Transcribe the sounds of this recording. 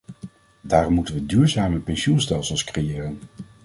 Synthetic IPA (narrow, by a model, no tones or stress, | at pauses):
daːrɔmːutənʋədyːɹzaːməpɛnsunstɛlˠsəlˠskrejɪːrən